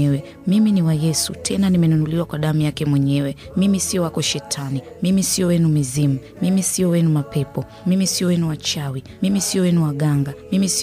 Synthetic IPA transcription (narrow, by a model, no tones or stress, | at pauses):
ɛwɛ | miminiwajɛsṵtʰɛnanimɛnunuliwakwaɗamujakɛmwɛɲɛwɛmimisiɔwakɔʃɛtʰani | mimisiɔwɛnumizimu | mimisiɔwɛnumapɛpɔ | mimisiɔwɛnuwat͡ʃawimimisiɔwɛnuwaɠaŋɡamimisi